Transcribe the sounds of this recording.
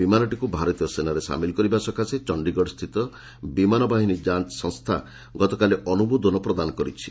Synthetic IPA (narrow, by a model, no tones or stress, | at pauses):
bimanɔʈikubʱaɾɔt̪ijɔsenaɾesa̰milkɔɾibasɔkʰaset͡ʃɔɳɖiɡɔɽɔst̪ʰit̪ɔ | bimanɔbaɦinid͡ʒat͡ʃsɔ̃ŋst̪ʰa̰ | ɡɔt̪ɔkaleʔɔnubud̪ɔnɔpɾɔd̪anɔkɔɾit͡ʃʰi̥